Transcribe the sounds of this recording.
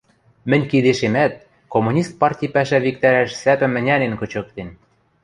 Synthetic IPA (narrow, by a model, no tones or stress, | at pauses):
mɘ̆nʲkid̪eʃemæt̪̚ | komunʲist̪̚pɑrtʲijpæʃæβik̚t̪æɾæʃsæpɘ̆mɘ̆nʲænenkɤ̆t͡ɕɤ̆k̚t̪en